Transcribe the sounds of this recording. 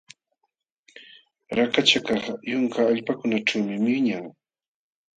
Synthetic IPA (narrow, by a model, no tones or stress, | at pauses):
ɾakat͡ʃakɑχjʊŋkaːʎpakʊnat͡ʃawmɪmɪɲaŋ